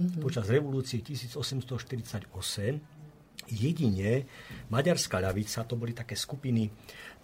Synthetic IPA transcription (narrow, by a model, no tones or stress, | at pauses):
pɔt͡ʃazɾɛʋɔluːt͡siɛcisiːd͡zɔsɛmst̪ɔʃt̪iɾit͡saɟɔsɛm | jɛɟiɲɛmaɟaɾskaʎaʋit͡sat̪ɔbɔlit̪akɛːskupini